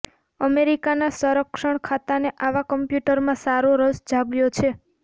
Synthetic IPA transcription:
əmeɾikanasəɾəkʃəɳ̃kʰat̪aneʔaʋakəmpjuʈəɾmãsaɾoɾəsd͡ʒʱabljot͡ʃʰe

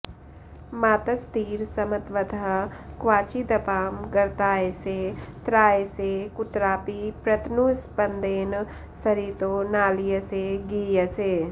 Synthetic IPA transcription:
maːt̪əst̪iːɾsɐmət̪ʋət̪ʰəɦkʋaːt͡ʃid̪ɐpaːmɡɐɾt̪aːeset̪ɾaːesekʊt̪ɾaːpipɾɐt̪nuspənd̪eːn | sɐɾiːt̪oːnaːlijəseɡiːjəseː

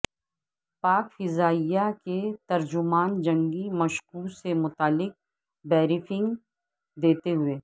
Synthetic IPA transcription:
paːkfɪzaːijaket̪ɐɾd͡ʒʊmaːnd͡ʒɐ̃ŋɡimɐʃkuːsemʊt̪aːlːɪk̚ | bɛːɾɪfɪ̃ŋɡ | d̪eːt̪eɦʊeː

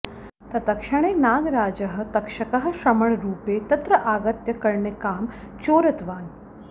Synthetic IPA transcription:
t̪ɐt̪ɐkʃɐɳ̃eːnaːɡɾaːd͡ʒɐɦɐ̆t̪ɐkʃɐkɐɦɐ̆ʃɾɐmɐɭɾuːpeːt̪ɐt̪ɾɐʔaːɡɐt̪jɐkɐɾɳekaːm | t͡ʃoːɾɐt̪ʋaːn

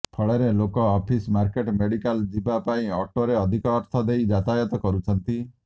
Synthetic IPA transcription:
pʰɔɭeɾelokɔːpʰismaɾkeʈmeɽikald͡ʒibapaĩɔʈoɾeɔd̪ʱikɔːɾt̪ʰɔd̪ejd͡ʒat̪ajɔt̪ɔkɔɾut͡ʃʰɔnt̪i

